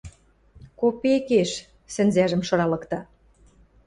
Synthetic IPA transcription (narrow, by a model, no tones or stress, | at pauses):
kopekeʃ | sɘ̆nzæʒə̆mʃɤ̆ɾɑlɤ̆kt̪ɑ